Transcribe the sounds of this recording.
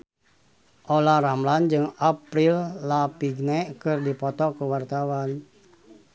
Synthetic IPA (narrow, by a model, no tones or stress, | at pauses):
ʔolaɾamland͡ʒɨŋapɾilːapiɡnɛʔkɨrdipɔt̪ɔkəwart̪awan